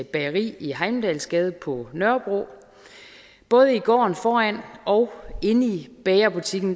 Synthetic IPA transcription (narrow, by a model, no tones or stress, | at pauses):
b̥ɛʁḭːiɦɑ̈ɪmd̥ɛlsɡ̥ɛð̞ˠəpʰɒ̽nɶɐb̥ʁo̝̰ | b̥ɔ̽ːð̞ˠəiɡ̥ɒ̰ːnfɒːæn̰ɒ̽ʊe̝nib̥ɛːɪɐb̥ut͡sʰiɡ̥n̩